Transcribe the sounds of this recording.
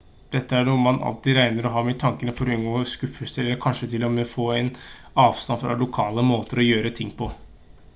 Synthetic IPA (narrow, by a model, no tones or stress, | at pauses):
d̪̥ɛt̪ːəæɳuːmɑnʔɑ̰lt̪ɪɾæɪnəɾɔɦɑːmɛt̪ʰɑŋkənəfɔɾʏnɡoːskʉfəsəɛlːəɾkʰɑnʂət̪ʰɪlːɔmɛfoːæɪn | ɑːʋst̪ɑnfɾɑ̰lʊkʰɑːləmoːt̪əɾɔjøːɾət̪ʰɪŋːpʰɔ